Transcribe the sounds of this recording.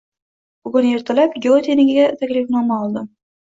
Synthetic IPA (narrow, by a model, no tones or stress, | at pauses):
b̥ʊɡʊne̞ɾt̪ʰalapɡʲeot̪ʰenɪɡʲɪɡʲat̪ʰakʲlɪfnɒmaɒlˠd̪ɪm